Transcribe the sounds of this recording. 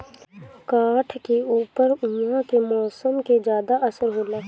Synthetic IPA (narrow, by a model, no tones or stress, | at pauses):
kaːʈʰkeuːpəɾjãkemɔːsəmked͡ʒjaːd̪aʔəsəɾɦoːlaː